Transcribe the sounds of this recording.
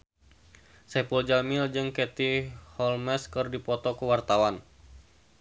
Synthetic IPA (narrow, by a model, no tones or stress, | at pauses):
sɛpuld͡ʒamɪld͡ʒɨŋkɛt̪ihɔlmɛskɨrdipɔt̪ɔkəwart̪awan